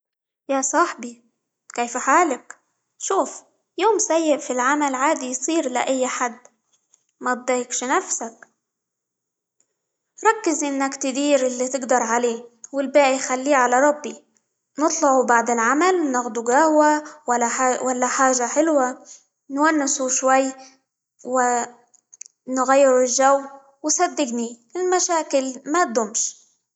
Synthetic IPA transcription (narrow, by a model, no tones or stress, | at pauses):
jasˤɑħbi | keːfħaːlak | ʃuːf | joːmsajːɪʔfilʕamalʕaːd̪ijsˤiːɾla̰ʔajːħad̪ː | mat̪̚d̪ˤɑjɪkʃnafsak | ɾˤɑkːɪzʔɪnːakt̪ɪd̪iːɾʔɪlːit̪ɪɡd̪ɑɾˤʕaleːwɪlbaːʔijxalːiːʕalaɾˤɑbːi | nɨt̪ˤlɑʕubaʕd̪ɪlʕamalnɪɣd̪uɡahwa | walːaħaːʒaħɪlwa | nwanːɪsuʃwajː | wɪ | nɣajːɪɾɪlʒawː | wɪsad̪ːɪɡnilɪlmaʃaːkɪlmat̪̚d̪ʊmʃ